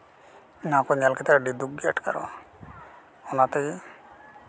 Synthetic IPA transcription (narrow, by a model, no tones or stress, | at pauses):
nakɔmalkɛt̪ɛɖid̪uɡ̚ia̰ʈka̰ɾɔ̰ | ɔnat̪ɛj